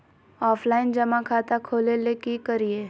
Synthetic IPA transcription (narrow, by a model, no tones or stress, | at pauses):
ɔːpʰlaːɪnd͡ʒɐmãkʰaːt̪akʰoːlelekikəɾieː